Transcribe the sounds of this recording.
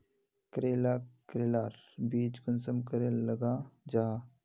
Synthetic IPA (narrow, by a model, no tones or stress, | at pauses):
kɾeːlaːkɾeːlaːɾbiːt͡ʃkʊnsəmkəɾelːɐɡaːd͡ʒaː